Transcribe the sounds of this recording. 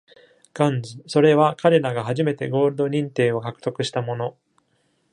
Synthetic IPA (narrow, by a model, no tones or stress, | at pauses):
ɡ̥ãnzɨso̞ɾe̞βakʰaɾe̞ɾaɡaɦaʑime̞t̪e̞ɡo̞ːɾɯ̟d̪o̞ɲ̟ĩnt̪e̞ːo̞kakɯ̟̥t̪o̞kɯ̟ɕi̥t̪amo̞no̞